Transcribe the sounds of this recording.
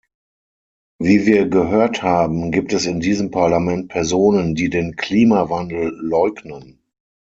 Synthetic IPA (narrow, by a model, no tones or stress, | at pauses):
viːviːɐɡəɦøːɐthaːbm̩ɡiːp̚tɛsɪndiːzəmpʰaɐlamɛnt̚pʰɛɐzoːnəndiːdeːnkʰl̥iːmavandl̩lɔʏɡnən